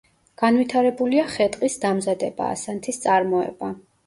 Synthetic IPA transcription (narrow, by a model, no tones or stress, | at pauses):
ɡ̥anvwit̪ʰaɾɛbuliaχɛt̪ʼqʼisd̪amzad̪ɛba̰ːsant̪ʰist̪sʼaɾmɔɛ̰ba